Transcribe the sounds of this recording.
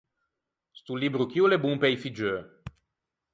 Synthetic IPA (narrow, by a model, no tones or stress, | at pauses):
st̪ulibɾukiulebumpejfid͡ʒø